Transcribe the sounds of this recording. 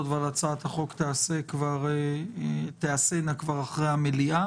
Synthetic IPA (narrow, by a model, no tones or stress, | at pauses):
ot̪valat͡sat̪haχo̞kt̪easekvaʁe | t̪easenakvaʁaχʁejamelia